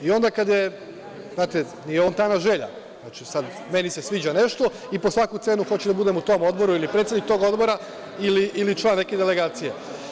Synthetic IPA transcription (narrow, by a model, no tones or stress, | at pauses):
io̞nd̪akad̪je̞ | znaːt̪e | nijeo̞ːnt̪anaʒe̞ʎa̰ | zat͡ʃisad̪ | me̞nise̞sʋiːd͡ʑane̞ʃt̪o̞ | ipo̞sʋakut̪se̞ːnuxo̞t͡ɕed̪abud̪emut̪o̞mo̞d̪bo̞ɾuilipɾet̪sed̪nik̚t̪o̞ɡo̞d̪bo̞ɾa | iliʔːlit͡ʃlˠaːnːeked̪eleɡaːt̪sije̞